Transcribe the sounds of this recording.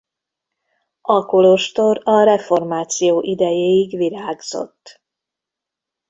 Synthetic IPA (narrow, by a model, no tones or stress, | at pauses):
ɒkolo̞ʃt̪o̞ɾɒɾɛfo̞rmaːt̪sijoːʔid̪ɛjeːiɡʋiɾaːɡz̥o̞̰t̪ː